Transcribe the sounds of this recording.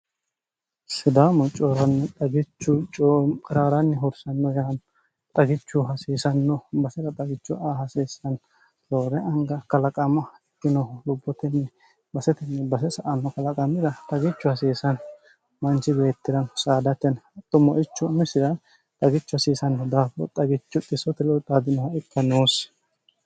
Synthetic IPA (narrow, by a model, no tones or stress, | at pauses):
sɪd̪aːmɔt͡ʃʼɔɾɐnːɛt̪ʼɐɡɪt͡ʃːʊt͡ʃʼokʼɾaːɾɐnːɛɦɔɾsɐnːɔjan | t̪ʼɐɡɪt͡ʃːʊɦɐsiːsɐnːɔbɐsɛt̪ɐt̪ʼɐɡɪt͡ʃːʊʔaːhɐsiːsɐn | ɾoːɾɛʔɐŋɡɐkɐlɐkʼɐmɐɛkːɪnɔlʊbːɔt̪ɛnːɛ | bɐsɛt̪ɛnːɛbɐsɛsɐʔɐnːɔkɐlɐkʼɐmɪd̪ɐt̪ʼɐɡɪt͡ʃːʊhɐsiːsɐn | mɐnt͡ʃɪdeːt̪ːɪɾɐnsaːd̪ɐt̪ːɛnɐt̪ːɔmɔʔɪt͡ʃːʊmɪsɪd̪ɐ | t̪ʼɐɡɪt͡ʃːʊhɐsiːsɐnːɔd̪aːfɔ̰t̪ʼɐɡɪt͡ʃːʊt̪ʼɪsɔt̪ɛlɔt̪ʼaːd̪ɪnɐhɐɪkːɐnoːs